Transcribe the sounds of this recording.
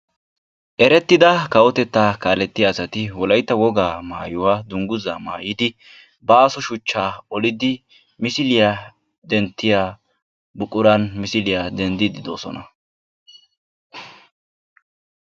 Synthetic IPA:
ʔɛɾɛt̪ːɪd̪ɐkɐwɔt̪ɛt̪ːaːkaːlɛt̪ːɪjaːsɐt̪ɪwɔlɐjt̪ːɐwɔɡaːmaːjʊwaːd̪ʊŋɡʊzaːma̰ːjɪd̪ɪ | baːsɔʃʊt͡ʃːaːɔlɪd̪ɪ | mɪsɪlɪja | d̪ɛnt̪ːɪja | bʊkʼːʊɾɐnmɪsɪlɪjad̪ɛnd̪ɪd̪ɪd̪o̞ːsɔ̰nɐ

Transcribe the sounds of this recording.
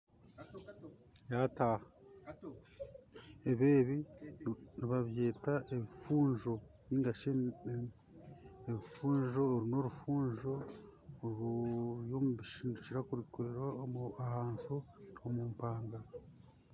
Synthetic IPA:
jata | eβe̞ːβi | niβaβje̞ːtaʔeβifuːɲʒo̞βiːŋɡaʃe | eβifuːɲʒo̞ːɾuno̞ɾufuːɲʒo̞ | ɾuɾjo̞muβiʃiːndut͡ʃiɾakuɾikwe̞ːɾwaomuahaːnsoomuːmpaːŋɡa

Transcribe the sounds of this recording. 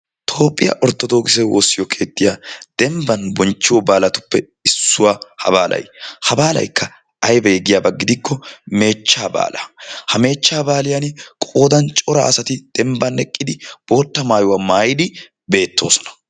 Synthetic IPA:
t̪ʰo̞ːpʼːɪjɐ̰ʔɔɾt̪ːɔd̪o̞ːɡɪsɛwo̰ːsːɪjɔkʰe̞ːt̪ːɪjaːd̪̥ɛmbɐnbɔnt͡ʃːɪwɔbaːlɐt̪ʊ̥pːɛ | ɪsːʊwaːhɐ̰baːlʔɐ̰jhɐbaːlɐ̰jkʰːɐ | ɐjbɛjɛɡɪjaːbɐɡːɪd̪ɪkʰːɔme̞ːt͡ʃːaːba̰ːlɐhɐme̞ːt͡ʃːaːbaːlɪjankʼo̞ːd̪ɐnt͡ʃʼɔɾɐa̰ːsɐt̪ɪd̪̥ɛmbɐnɛkʼːɪd̪ɪb̥o̞ːt̪ːɐmaːjʊwamaːjɪd̪ɪ | be̞ːt̪ʰːo̞̰ːsɔ̥nɐ̥

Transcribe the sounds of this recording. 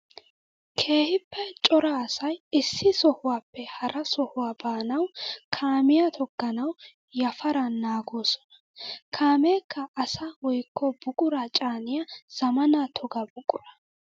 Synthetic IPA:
kʰe̞ːhɪpːɛt͡ʃʼɔɾɐːsɐjɪsːɪsɔhʊwaːpːɛhɐɾɐsɔhʊwaːbaːnɐwkʰaːmɪjɐt̪ʰɔɡːɐnɐw | jɐfɐɾɐnaːɡo̞ːsɔ̥nɐ̥ | kʰaːmeːkːɐʔːsawɔjkːɔbʊkʼʊɾɐt͡ʃʼaːnɪjɐz̥ɐmɐnat̪ʰɔɡɐbʊkʼʊɾɐ̥

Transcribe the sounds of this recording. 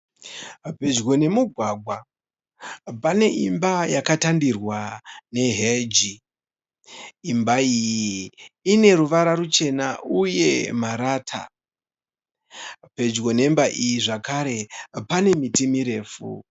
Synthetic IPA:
pe̞d͡ʒɡo̞ne̞muɡʱwaɡʱwa | pane̞ʔimbajakatandirwane̞ɦed͡ʒi | mbaijiːne̞ɾuʋaɾaɾut͡ʃe̞naʔuje̞maɾaːtʰa̰ | pe̞d͡ʒɡo̞ne̞mbaʔijiʐakaɾe̞pane̞mitimiɾe̞ːfṵ

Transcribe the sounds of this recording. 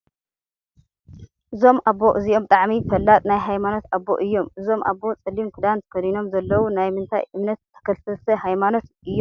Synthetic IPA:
ʔɨzo̞mʔabːo̞ʔɨziʔo̞mbt̪ʼaʕmifɐlːat̪ʼnajɦajmano̞t̪abːo̞̰ʔɨjːo̞mʔɨzo̞mʔa̰bːo̞t͡sʼɨlːimkʰɨd̪ant̪ʰɐ̥kɐd̪ino̞mzɐlːɐwunajmɨnt̪ʰa̰jʔɨmnɐt̪t̪ʰːɐ̥kʰɐlt̪ɨlsʰɐhajmano̞t̪ | ɨjːom

